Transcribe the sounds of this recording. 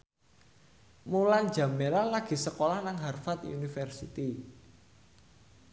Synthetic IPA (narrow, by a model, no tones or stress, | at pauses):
mulan̥d͡ʒä̤melalaɡ̥i̤səkolahnaŋɦarfat̪jṵnifɛrsḭt̪i